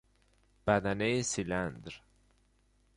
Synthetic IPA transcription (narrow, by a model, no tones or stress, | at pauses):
b̥æd̪ænejsiland̪ɾ